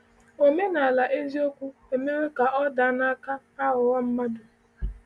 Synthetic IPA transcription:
o˨me˦na˨a˨la˨ʔe˦zi˦o˦kʷu˦e˨me˦ɾe˦ka˨ʔɔ˦da˨˦na˦ka˦ | a˦ɦʊ˨wa˦m̩˦ma˦dʊ˨

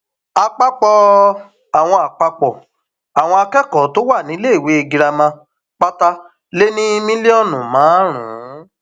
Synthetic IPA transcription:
a˧k͡pa˦k͡pɔ˧ | a˨w̃ɔ̃˧a˨k͡pa˧k͡pɔ˨ | a˨w̃ɔ̃˧a˧kɛ˦kɔ˨˦to˦wa˦˨nĩ˨˦le˦i˦˨we˨˦e˧˨ɡi˧ɾa˧mã˧ | k͡pa˦ta˧ | le˦nĩ˦mĩ˦li˦ɔ˦˨nũ˨mãː˨˦ɾ̃ṵ̃˨˦

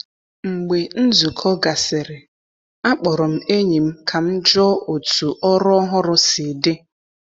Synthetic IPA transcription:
ŋ͡m̩˨ɡ͡be˨n̩˦zu˨kʰɔ˦ɡa˨sɪ˨ɾɪ˨ | a˦k͡pɔ˨ɾɔ˨m̩˦e˦ɲi˨m̩˦kʰa˨m̩˦d͡ʒɔ˦o˨tu˨ʔɔ˦ɾɔ˦ɔ˦ɦʊ˦ɾʊ˦sɪ˨de˦

